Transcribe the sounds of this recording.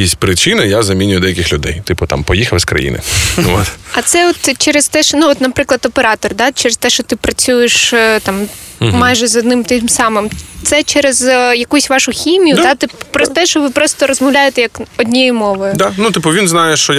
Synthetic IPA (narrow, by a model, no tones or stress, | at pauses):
isʲtʲpɾɪt͡ʃɪnɪjazɐmʲinʲʊjʊd̪ɛjɐkɪxlʲʊd̪ɛ̰jt̪ɪpʊt̪a̰mpɔjixɐʋskɾɐ̰jḭnʔɪ̰o̰t̪ɐt̪sɛɔt̪t͡ʃɛɾɛst̪ɛʃnuɔt̪nɐpɾɪklˠɐd̪ɔpeɾɑt̪ɔrd̪ɑt͡ʃɛɾest̪ɛʃt͡ʃɔt̪ɪpɾɐt͡sʲujeʃt̪ɑm | mɑjʒɛzɔd̪nɪmt̪ɪmsɑmɪmt̪sɛt͡ʃɛɾezjɐkusʲʋɑʃʊxʲimʲijʊd̪at̪ɪppɾɔst̪ɛʃɔʋɪpɾɔst̪ɔɾɔzmɐwlʲajɪt̪ɛjɐkɔdʲnʲɛjɪmɔʋɔjʊd̪anut̪ɪpʊʋʲinznɑjɛʃt͡ʃɔ